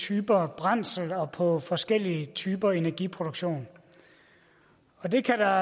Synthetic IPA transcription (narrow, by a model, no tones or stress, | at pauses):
t͡sʰyːb̥ɐb̥ʁɑn̰sl̩ɒ̽pʰɒ̽fɒ̽sɡ̥el̰iət͡sʰyːb̥ɐe̝næɐɡ̥ipʰʁo̝d̥uɡ̥ɕo̝̰ːn | ɒ̽de̝kʰæd̥ɑ̈